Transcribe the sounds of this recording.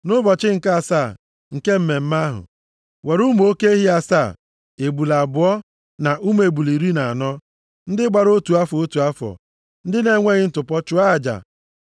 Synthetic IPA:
nʊ˦bɔ˨t͡ʃɪ˦ŋ̩˨ka˦a˨sa˦˨ | ŋ̩˨ke˦m̩˦me˨m̩˦ma˦ɦʊ̰˨ | we˨ɾu˦m˨o˦ke˦e˦ɦi˦a˨saː˦˨ | e˨bu˨la˨bʊ˨ɔ˦ | na˨ʔu˦me˨bu˨li˨ɾi˦na˨a˨nɔ˦ | n̩˦dɪ˦ɡ͡ba˨ɾo˦tu˨a˦fɔ˨o˦tu˨a˦fɔ̰˨ | n̩˦dɪ˦ne˨˦ŋʷe˦ɣɪ˦n̩˦tʊ˨pɔ˦t͡ʃʊ˦a˦˨d͡ʒa̰˨

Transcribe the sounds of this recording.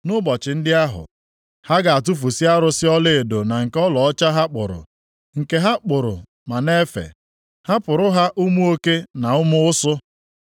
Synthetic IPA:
nʊ˦bɔ˨t͡ʃɪ˨n̩˦dɪ˦a˦ɦʊ̰˨ | ha˦ɡa˨a˨tu˦f̬u˨si˦a˦ɾʊ˦sɪ˦ɔ˦le˦e˨do˨na˨ŋ̩˨kɔ˦lɔ˨ɔ˦t͡ʃa˦ɦa˦k͡pʊ˨ɾʊ̰˨ | ŋ̩˨ke˦ɦa˦k͡pʊ˨ɾʊ̰˨ | ma˨ne˦fḛ˨ | ha˦pʊ˨ɾʊ˦ɦa˦ʔu˦mu˦o˦ke˦na˨ʊ˦mʊ˦ʊ˦sʊ˦

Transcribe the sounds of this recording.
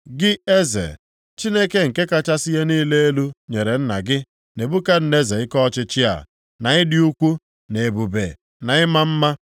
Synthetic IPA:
ɡɪ˦e˦zḛ˨ | t͡ʃi˦ne˦ke˦ŋ̩˨ke˦ka˦t͡ʃa˦sɪ˦je˦niː˦le˦e˦lu˦ɲe˨ɾe˨n̩˦na̰˨ɡɪ˦ | ne˨bu˦ka˦n̩˦ne˦ze˨ɪ˦kɔ˦t͡ʃɪ˦t͡ʃɪ˦a̰˨ | na˨ɪ˦dɪ˦u˦kʷu˦ | ne˨bu˨be˨ | na˨ɪ˦ma˦m̩˦ma˦

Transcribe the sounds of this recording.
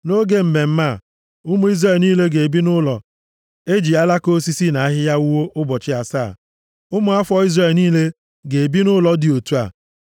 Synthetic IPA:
no˦ɡe˦m̩˨me˨m̩˦ma˦˨ | ʊ˦mʊ˦i˦zɾe˦˨lniː˦le˦ɡe˨e˨bi˦nʊ˦lɔ˨ | e˦d͡ʒi˨a˦la˦ko˦si˦si˦na˨a˦ɦɪ˦ja˦u˦wo˦ʔʊ˦bɔ˨t͡ʃɪ˦a˨sa̰ː˦˨ | ʊ˦mʊ˨a˦fɔ˦i˦zɾe˨lniː˦le˦ | ɡe˨e˨bi˦nʊ˦lɔ˨dɪ˨o˨tu˦a̰˨

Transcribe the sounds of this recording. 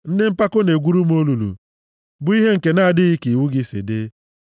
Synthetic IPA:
n̩˦nɪ˦m̩˦pa˦ko˦ne˨ɡʷu˦ɾu˦m˦o˦lu˨lṵ˨ | bʊ˨˦i˦ɦe˦ŋ̩˨ke˨na˦˨a˨dɪ˦ɣɪ˦ki˨wu˦ɡɪ˦sḭ˨de˦

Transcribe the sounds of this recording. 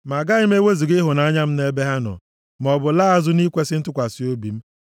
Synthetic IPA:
ma˨ɡa˦ɪ˦m̩˦e˦we˦zi˨ɡɪ˦ɦʊ˨na˦a˦ɲa˦m̩˦ne˦be˦ɦa˦nɔ̰˨ | m˨ɔ˨bʊ˨la˦a˦zʊ˦ni˦kʷe˦sɪ˦n̩˦tʊ˦kʷa˨si˦o˦bi˨m̩˦

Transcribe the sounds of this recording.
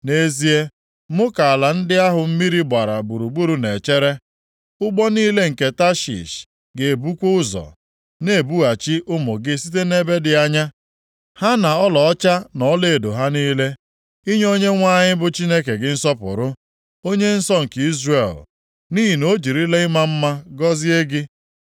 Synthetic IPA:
ne˦zi˦e˦ | mʊ˦ka˨a˨la˨n̩˦dɪ˦a˦ɦʊ˨m̩˦mi˦ɾi˦ɡ͡ba˨ɾa̰˨bu˨ɾu˨ɡ͡bu˦ɾu˨ne˨t͡ʃe˦ɾe˦ | ʊ˦ɡ͡bɔ˦niː˦le˦ŋ̩˨ke˦ta˦ʃḭ˨ʃ | ɡe˨e˨bu˦kʷu˦ʊ˦zɔ̰˨ | ne˨bu˦a˨t͡ʃi˦ʔʊ˦mʊ˨ɡɪ˦si˦t̬e˦ne˦be˦dɪ˨a˦ɲa˦ | ha˦na˨ɔ˦lɔ˨ɔ˦t͡ʃa˦nɔ˨˦le˨do˨ɦa˦niː˦le˦ | i˦ɲ˦o˦ɲe˦ŋʷa˦ɲɪ˦bʊ˨t͡ʃi˦ne˦ke˨ɡɪ˦n̩˦sɔ˦pʊ̰˨ɾʊ˦ | o˦ɲe˦n̩˦sɔ˦ŋ̩˨ki˦zre˨l | ni˦ɦi˨no˦d͡ʒi˨ɾi˦le˦ɪ˦ma˦m̩˦ma˦ɡɔ˦zɪ˦e˦ɡɪ˦

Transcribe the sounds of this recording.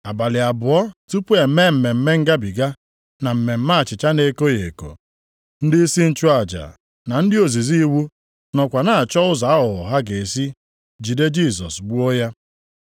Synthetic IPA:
a˨ba˨lɪ˨a˨bʊ˨ɔ˦tu˦pu˦e˨˦me˦m̩˨me˨m̩˦me˦ŋ̩˦ɡa˦bi˨ɡa˦ | na˨m̩˨me˨m̩˦ma˦˨t͡ʃɪ˨t͡ʃa˦ne˨˦ko˦je˨ko̰˨ | n̩˦dɪ˦si˦n̩˨t͡ʃu˦a˨d͡ʒa̰˨ | na˨n̩˦dɪ˦o˨zi˨zi˦wu˦ | nɔ˨kʷa˨na˨a˨t͡ʃɔ˦ʊ˦za˨a˦ɦʊ˨ɔ˨ɦa˦ɡe˨si˦ | d͡ʒi˨de˦d͡ʒi˦˨sɔ̰˨sɡ͡bu˦o˦ja˦

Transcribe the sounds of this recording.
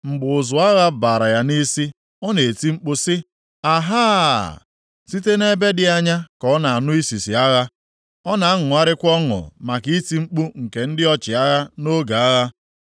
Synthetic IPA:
ŋ͡m̩˨ɡ͡bʊ˨ʊ˨zʊ˨a˦ɣa˦baː˨ɾa˨ja˦ni˦si˦ | ɔ˦ne˨e˨ti˦ŋ͡m̩˦k͡pu˦sɪ˦ | a˨ɦaː˦ | si˦te˦ne˦be˦dɪ˦a˦ɲa˦kɔ˦na˨a˨nʊ˦i˦si˨si˨a˦ɣa˦ | ɔ˦na˨a˦ŋʊ˨a˦ɾɪ˦kʷɔ˦ŋʊ̰˨ma˨ki˦ti˦ŋ͡m̩˦k͡pu˦ŋ̩˨ke˨n̩˦dɪ˦ɔ˦t͡ʃɪ˨a˦ɣa˦no˦ɡa˨a˦ɣa˦

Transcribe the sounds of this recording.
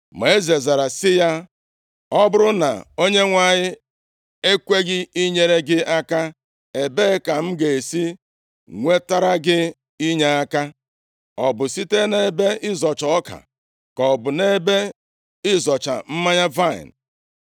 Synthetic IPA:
me˨e˦ze˨za˨ɾa˨sɪ˦ja˦ | ɔ˦bʊ˦ɾʊ˦na̰˨o˦ɲe˦ŋʷa˨ɲɪ˦ | e˦kʷe˦ɡɪ˦i˦ɲe˦ɾe˦ɡɪ˦a˦ka˦ | e˨be˦ka˨m̩˦ɡe˨e˨si˦ | ŋʷe˦ta˦ɾa˦ɡɪ˦ | i˦ɲe˦a˦ka˦ | ɔ˨bʊ˨si˦te˦ne˨be˦ɪ˦zɔ˨t͡ʃɔ˨ɔ˦ka̰˨ | kɔ˨bʊ˨ne˦be˦ | ɪ˦zɔ˨t͡ʃa̰˨m̩˦ma˦ɲa˦va˦˨ɪ̰˨n̩˨

